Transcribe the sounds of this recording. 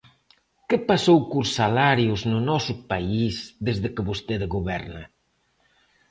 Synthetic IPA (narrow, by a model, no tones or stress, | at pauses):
kəpasowkusalaɾjuznunɔsupaizðezðəkəβust̪eðɣuβɛɾna